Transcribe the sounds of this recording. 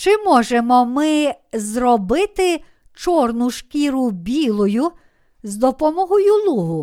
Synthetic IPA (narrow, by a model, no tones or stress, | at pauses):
t͡ʃɪmɔʒemɔmɪzrɔbɪt̪ɪ | t͡ʃɔrnʊʃkʲiɾʊbʲilˠɔjʊ | zd̪ɔpɔmɔɦɔjʊlˠuɦʊ